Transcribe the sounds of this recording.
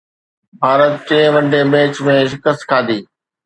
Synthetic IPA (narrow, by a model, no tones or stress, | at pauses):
bʱaːɾət̪̚t͡ɕẽːʋə̃ɳɖeːmeːt͡ʃmẽːʃɪkəskʰaːd̪iː